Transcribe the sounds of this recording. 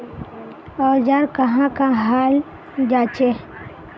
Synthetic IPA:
ɔːɾd͡ʒaɾkəɦãkãɦaːl | d͡ʒaːt͡ʃe

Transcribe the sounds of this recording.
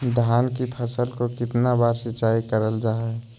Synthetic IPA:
d̪ʱjaːnkipʰəsəlkokɪt̪nabaːɾsɪt͡ʃaːikəɾəld͡ʒaːɛ

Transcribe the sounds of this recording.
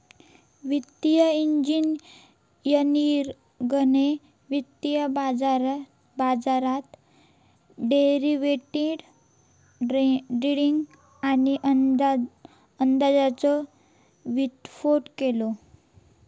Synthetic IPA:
ʋit̪ijəiɲd͡ʑin | jəniɾ | ɡəne | ʋit̪ːijəb | bad͡zaɾat̪ | ɖeɾiʋeʈeɖ | iɽiŋɡ | aniʔ | ənd̪ad͡zat͡sɔ | ʋit̪foʈkelo

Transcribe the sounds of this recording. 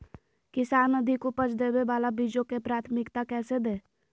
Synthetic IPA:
kɪsaːnːəd̪ʱikopət͡ʃʰd̪eːbebaːlabiːd͡ʒõkepɾaːt̪ʰmɪkt̪akɛːsed̪eː

